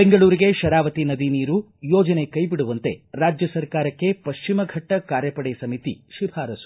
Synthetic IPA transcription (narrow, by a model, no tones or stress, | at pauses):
beŋɡɐɭuːɾiɡe̞ʃɐɾaːʋɐt̪inɐd̪iniːɾu | jɔːd͡ʒɐne̞kɐjbiɽuʋɐnt̪e̞ɾaːd͡ʒjɐsɐɾkaːɾɐkːe̞pɐʃt͡ʃimɐɡʱɐʈːɐkaːɾjɐpɐɽejsɐmit̪iʃibʱaːɾɐsu̥